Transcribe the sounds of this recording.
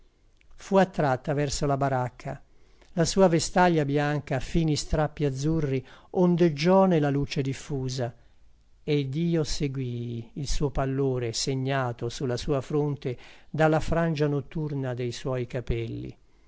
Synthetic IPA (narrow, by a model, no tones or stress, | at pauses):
fuat̪ːɾat̪ːavɛrsolabaɾakʰːa | lasuːavest̪aʎjabjaŋkafinist̪ɾapːiad̪zːurːiond̪ed͡ʒɔːnelaluːt͡ʃed̪ifːuːza | ed̪iːoseɡwiːlsuːopalːoːɾeseɲːaːt̪osulːasuːafɾont̪ed̪alːafɾand͡ʒanot̪ːurnad̪ejswɔjkapɛlːḭ